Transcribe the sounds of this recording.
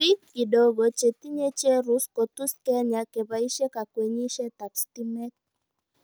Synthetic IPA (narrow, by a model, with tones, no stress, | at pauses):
i˦ki˨do˨ɡo˨t͡ʃe˨t̪i˦ɲe˦t͡ʃe˦ɾu˨˦sko˨t̪u˦skɛ˦ɲa˨ke˨ba˨i˦ʃe˦ka˨kwe˨ɲi˦ʃe˦t̪a˨ksti˦mɛ˦k̚